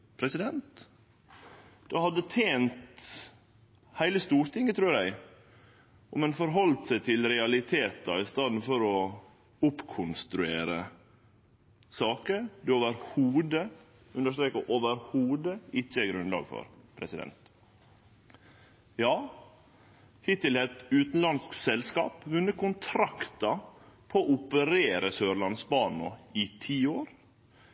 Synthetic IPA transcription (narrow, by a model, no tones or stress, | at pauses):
pʰɾɛsɪd̪ɛnt̪ | d̪̥ɛhɑd̪ːət̪ʰeːnt̪ | hæɪləst̪uːɾt̪ʰɪŋːət̪ʰɾʉːɾjæɪ | ɔmɛnfɔɾɦɔlt̪sæɪt̪ʰɪlɾɛɑlɪt̪ʰeːt̪ɑ̰ɪst̪ɑːd̪n̩fɔɾɔ | ʊpkʰʊnst̪ɾʉeːɾə | sɑːkəɾd̪ʉoːʋəɾhuːd̪ə | ʉnd̪əʂt̪ɾeːkəʔoːʋəɾhuːd̪əɪt͡ʃːəɛɡɾʉnlɑ̰ːɡfɔ̰ɾpʰɾɛsɪd̪ɛ̰nt̪ | jɑː | hɪt̪ɪlhɛt̪ʉːt̪n̩lɑnsksɛlskɑ̰ːpʋʉnːəkʊnt̪ʰɾɑkt̪ɑpʰɔoʊpəɾeːɾəsøːɾɭɑnsbɑːnɔ̰ɪt̪ʰiːoːɾ